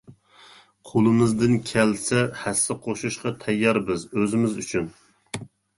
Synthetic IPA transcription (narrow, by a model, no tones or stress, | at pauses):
qʰolˠɨmɨzd̪ɪnkʲʰɛlsɛhɛsːɪqʰoʃuʃqɑt̪ʰɛjːɑɾbɪzøzɪmɪzyt͡ʃʰyn